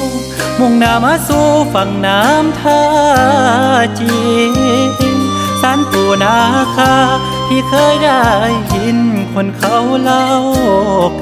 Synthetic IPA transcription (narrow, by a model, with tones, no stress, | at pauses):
mo˧˩ŋnaː˧˥maː˧˥˨suː˧fa˨˩ŋnaː˧˦mt̪ʰaː˧˥ | t͡ɕi˧ | saː˧˥npʰuː˧˩naː˧˦˧kʰaː˧˥ | t̪ʰiː˧˩kʰɤː˧˥˨jda˧˩jhi˧˦nkʰo˧˩nkʰa˧˩wla˧wk̚